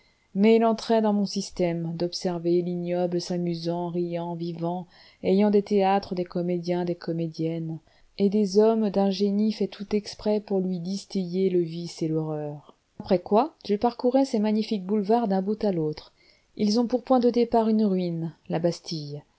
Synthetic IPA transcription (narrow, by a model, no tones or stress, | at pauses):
mɛilɑ̃t̪χɛd̪ɑ̃mɔ̃sist̪ɛmd̪ɔpsɛʁvelinjɔblsamyzɑ̃ʁijɑ̃vivɑ̃ | ɛjɑ̃d̪et̪eat̪χəd̪ekɔmed̪jɛ̃d̪ekɔmed̪jɛn | ed̪ezɔmd̪ɛ̃ʒenifɛt̪ʰut̪ɛkspχɛpuʁlɥid̪ist̪ijeləviselɔʁœːʁ | apχɛkwaʒ̥əpaʁkuʁɛsemaɲifik̚bulvaʁd̪ɛ̃but̪alot̪χ | ilzɔ̃puʁpwɛ̃d̪əd̪epaʁynʁɥinlabast̪ʰij